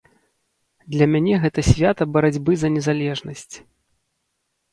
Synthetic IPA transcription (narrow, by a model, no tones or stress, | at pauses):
d̪lʲɐmʲanʲɛɣɛt̪ɐsʲvʲat̪ɐbɐɾad͡zʲbɨzɐnʲɛzalʲɛʐnɐsʲt͡sʲ